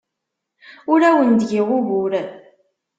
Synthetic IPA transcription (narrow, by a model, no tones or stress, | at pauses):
ʊɾæwənd̪ʝɪʁʊvuɾ